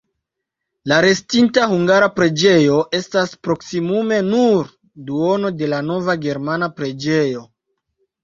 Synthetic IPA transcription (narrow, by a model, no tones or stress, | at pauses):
laɾe̞stintahuŋɡaɾapɾe̞d͡ʒe̞jo̞ʔe̞staspɾo̞ksimume̞nuɾ | duo̞no̞de̞lano̞vaɡe̞ɾmanapɾe̞d͡ʒe̞jo̞